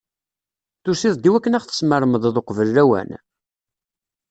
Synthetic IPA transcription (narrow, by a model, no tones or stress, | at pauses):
θʊɾsiðˤd̪iwækːənæχθə̥sməɾˤməðˤðˤoqvəlːæwæ̰n